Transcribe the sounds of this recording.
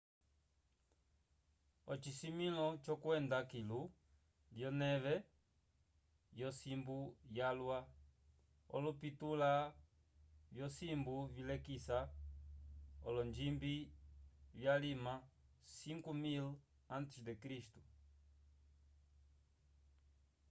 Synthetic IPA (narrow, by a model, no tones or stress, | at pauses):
ɔt͡ʃisimilɔt͡ʃɔkwɛnd̪akilu | ljɔnɛβɛ | jɔsimbujalwa | ɔ̰lupitula | vjɔsimbuvilɛkisa | ɔ̰lɔnd͡ʒimbi | βjalimasiŋkumil | ãnt̪isd̪ekɾist̪u